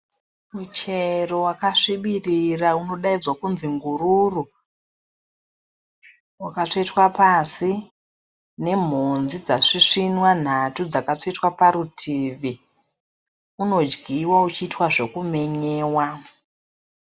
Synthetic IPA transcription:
mut͡ʃero̞wakaʂiɓirirauno̞ɗaid͡zwakunziŋɡuɾuru | wakat͡ʂoitwapasi | ne̞m̤ond͡zid͡zaʂiʂinwan̤atud͡zakat͡ʂoitwapaɾutʰiʋi | uno̞d͡ʒɡʱiwaut͡ʃiːtwaʐe̞kume̞ɲeːwa

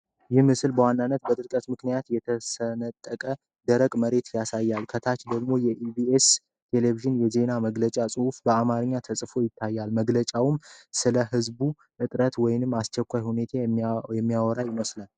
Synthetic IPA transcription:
jɪmɨsɨlbəwanːanːət̪̚bət̪ʼɨɾkʼət̪mɨknijat̪jɛt̪ʰəsənət̪ʼːəkʼə | d̪əɾəkʼməɾe̞t̪ʰjasajːalkʰət̪ʰat͡ʃd̪əɡmo̞jɛʔibies | t̪ʰe̞leviʒɨnjɛze̞naməɡlət͡ʃʼasʼɨhufbəamaɾɨɲːat̪ʰəsʼfo̞jɪt̪ʰːajːalməɡlət͡ʃʼawɨmsɨləhɨzbu | ʔɨt̪ʼɾət̪wɔjnɨmːast͡ʃɛkʷːajhune̞t̪ʰajɛmːijawɔɾajɪməslan

